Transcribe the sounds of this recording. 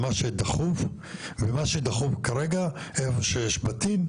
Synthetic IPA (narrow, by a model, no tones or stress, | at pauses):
maʃed̪aχuv | vemaʃed̪aχuvkaɾeɡaefoʃejeʃbat̪im